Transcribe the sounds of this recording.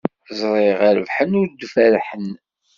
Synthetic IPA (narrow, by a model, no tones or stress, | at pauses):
zˤɾˤeʁæɾəvħənːʊɾd̪fæɾħən